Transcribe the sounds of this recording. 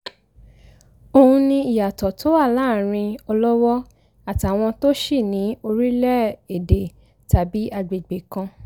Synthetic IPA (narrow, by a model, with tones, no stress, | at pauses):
o˧hũ˧nĩ˧i˨ja˨tɔ˨to˨˦a˦˨laː˦˨ɾ̃ĩ˧ɔ˧lɔ˦wɔ˦ | a˦˨ta˨w̃ɔ̃˧to˦ʃi˦˨nĩ˨˦o˧ɾi˦lɛ˦e˨de˨ | ta˨bi˨˦a˧ɡ͡be˨ɡ͡be˨kã˧